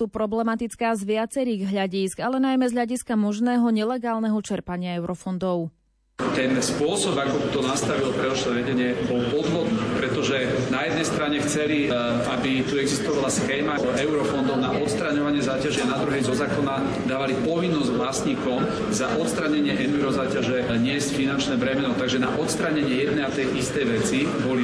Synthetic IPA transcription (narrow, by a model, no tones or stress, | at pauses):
uːpɾɔblɛmat̪it͡skaːzʋɪat͡sɛɾiːɣɦʎaɟisɡalɛnajmɛzɦʎaɟiskamɔʒnɛːɦɔɲɛlɛɡaːlnɛɦɔt͡ʃɛɾpaɲɪaɛʊɾɔfɔnd̪ɔʊ | t̪ɛnspʊɔsɔbakɔbit̪ɔnast̪aʋilpɾɛɔʃlɛʋɛɟɛɲɪɛbɔlpɔd̪ɦɔd̪nipɾɛt̪ɔʒɛnajɛd̪nɛjst̪ɾaɲɛxt͡sɛli | abit̪uɛɡzist̪ɔʋalasxɛːmaɛʊɾɔfɔnd̪ɔʊnaʔɔt̪st̪ɾaɲɔʋaɲɪɛzaːcaʒɛanad̪ɾuɦɛjzɔzaːkɔna | d̪aːʋalipɔʋinːɔzɟʋlasɲiːkɔm | zaʔɔt̪st̪ɾaɲɛɲɪɛʔɛniɾɔzaːcaʒɛ | ɲɪɛscfinant͡ʃnɛːbɾɛmɛnɔt̪aɡʒɛnaʔɔt̪st̪ɾaɲɛɲɪɛjɛd̪nɛjat̪ɛjʔist̪ɛjʋɛt͡sibɔli